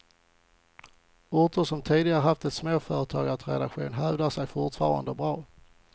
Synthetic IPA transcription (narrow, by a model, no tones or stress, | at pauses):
ʊɾt̪ʊʂɔmt̪ʰiːd̪ɪɡaɾəɦaft̪ɛt̪smoːfœːɾət̪ʰɑ̰ːɡat̪ɾɛ̰d̪a̰kɧṵːnɦœːvd̪aʂɛjfʊʈfɑːɾa̰nd̪əbɾɑː